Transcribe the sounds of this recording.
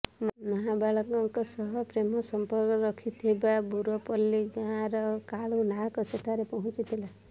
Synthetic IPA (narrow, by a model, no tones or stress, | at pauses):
mʌɦabaɭɔkɔkosʌɦʌpɾemʌsʌmpʌɾkɾʌkʰit̪ʰebabuɾopʌlːiɡãɾʌkaɭunakoseʈʰaɾepɔɦũt͡ʃit̪ʰila